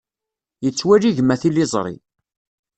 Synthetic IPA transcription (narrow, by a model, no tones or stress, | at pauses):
jət͡sːwæliʝmæθilizˤɾˤḭ